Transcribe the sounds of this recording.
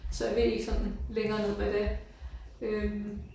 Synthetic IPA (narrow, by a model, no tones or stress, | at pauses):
sɒ̽jæʋe̝e̝ɡ̥sɒ̽n̰n̩leŋɐːnoð̰ˠmed̥e | øm